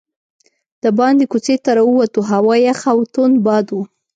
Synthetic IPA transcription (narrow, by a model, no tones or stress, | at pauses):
d̪̥əbɑnd̪ekut͡set̪aɾawuwat̪uɦawɑjaxawt̪onbɑd̪wu